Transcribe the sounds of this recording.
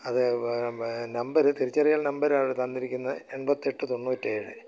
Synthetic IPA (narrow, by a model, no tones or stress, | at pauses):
ɐðɨ | nɐmbɐɾɨt̪iɾit͡ɕːɐrɐjaːɭnɐmbɐɾaːjɽɨt̪ɐnd̪iɾikʲːunːɐe̞ɳbɐt̪ːie̞ʈːɨt̪o̞nːuːtːeːɻɨ̰